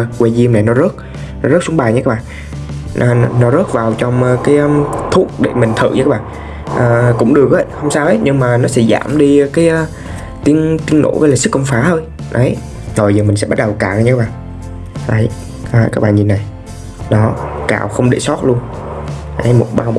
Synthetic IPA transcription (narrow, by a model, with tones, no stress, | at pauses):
kwe˧zi˧əmna˨˩nɔ˨˦zə˦˥t̚ | nɔ˨˦zə˦˥t̚sʊ˨˦ŋ͡mɓaː˨˩jɲɨ˧kaː˦˥ɓaː˧˨ | nɔ˨˦zə˦˥t̚vaː˨˩wt͡ɕɔ˧wŋ͡mːkaː˨˦jt̪ʰu˦˥ək̚ɗḛ˧˩mï˨˩ŋ̟t̪ʰɨ̰˧˨ɲɨ˧kaː˦˥ɓa̰ː˧˨ | ʔəː˨˩kʊ̰˧˥ŋ͡mɗɨ˨˩ək̚ʔə˨˦jhə˧wŋ͡msaː˧wʔə˨˦jɲɨ˧ŋmaː˨˩nɔ˨˦sɛ̰˧˥za̰ː˧˩mɗi˧kaː˨˦j | t̪i˧ənt̪i˧ənːʔo̰˧˥˦vəː˨˧˦laː˨˩sɨ˦˥k̚kə˧ŋ͡mfaː˨˦t̪ʰo˧j | nʔɔ˨˦ | zo˨˩jzəː˨˩mï̟˨˩sɛ̰˧˥ɓt̚ɗə˨˩wkaː˧˩wa˧˩ɲɨ˧˦kːaː˦˥ɓa̰ː˧˨ | a˨˩j | a˨˩jkaː˦˥k̚ɓa̰ː˨˩ɲi˨˩nːa˨˩j | nɔ˨˦ka̰ː˧˩wxə˧wŋ͡mɗḛ˧˩sɔ˦˥t̚lu˧ən | ʔə˨˦jmo˨˩t̚ɓaː˧w